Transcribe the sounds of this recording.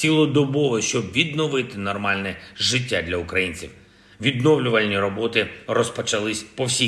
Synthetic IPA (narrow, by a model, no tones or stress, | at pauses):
sʲilˠɔd̪ɔbɔʋɪʃt͡ʃɔbʋʲid̪nɔʋɪt̪ɪnɔrmɑlʲnɛʒɪtʲːad̪lʲɐʊkɾɐjinʲt͡sʲḭw | ʋʲid̪nɔwlʲʊʋɐlʲnʲiɾɔbɔt̪ɪrɔspɔt͡ʃɐlˠɪsʲpɔwsʲi